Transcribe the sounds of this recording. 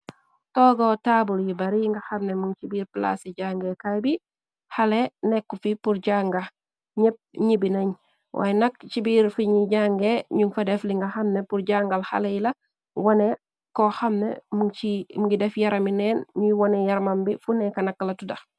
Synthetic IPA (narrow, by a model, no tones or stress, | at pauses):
tɔːɡotabuljibɐɾiŋɡɐxɐmnemuŋt͡ʃibiːɾpla̰seɟaŋɡekajbi | halenɛkːufipuɾɟaŋɡa | ɲɛp̚ɲibinɐɲ | wʔa̰jnɐk̚t͡ʃibiɾfiɲiɟaŋɡeɲuŋfɐdɛfliŋɡɐxɐmnepuɾɟaŋɡalxa̰lejilɐ | wɔne | kɔxɐmnḛmut͡ʃimuŋɡidɛfjaɾɐminɛːnɲujwɔnɛjɐɾmɐmbifunɛkɐnɐkːlɐtudɐ